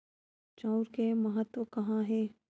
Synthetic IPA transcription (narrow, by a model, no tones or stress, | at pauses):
t͡ʃaːʊɾkemɐɦət̪wəkɐɦãɦɛː